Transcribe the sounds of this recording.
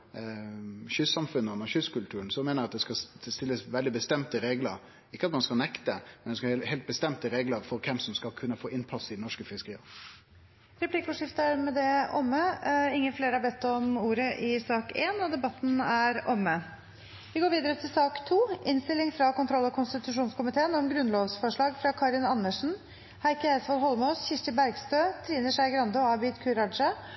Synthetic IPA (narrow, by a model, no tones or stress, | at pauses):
çʏsːɑmfʉnəɔnːəɾçʏskʉlt̪ʰʉːɾənsɔmeːnɾɑt̪̚d̪ɛskɑst̪ɪlːəsʋɛld̪ɪbəst̪ɛmt̪əɾeːɡləɾ | ɪkːəɑt̪mɑnskɑlnɛkt̪əmɛnɛskɑhɛːlt̪̚bəst̪ɛmt̪əɾeːɡləɾfɔɾkʰɛmsɔmskɑlkʰʉnːəfoːʔɪnpʰɑsɪd̪ɛnɔʂkəfɪskəɾiːə | ɾɛpʰliːkəʉːʂɪft̪əɾmɛd̪ɛɔmːəɪŋːənfleːɾəhɑɾbɛt̪ːɔmuːɾəʔɪsɑːkeːnɔd̪ɛbɑt̪ːn̩æɾɔmːə | ʋɪɡoːɾʋiːd̪əɾət̪ʰɪlsɑːkt̪ʰuːʔɪnst̪ɪlɪŋfɾɑkʊnt̪ʰɾɔlːɔkʰʊnst̪ɪt̪ʉʂuːnskʊmɪt̪ʰeːənɔmɡɾʉnloːʋsfɔʂɭɑːɡfɾɑkʰɑːɾɪnɑnːəʂn̩ | hæɪkəæsʋɑlɦɔlməɔsçɪʂʈ̪əbæɾɡst̪øːt̪ʰɾiːnəʂæɪɡɾɑnd̪ɔɑːbiːt̪kʰʉɾɑd̪ʂə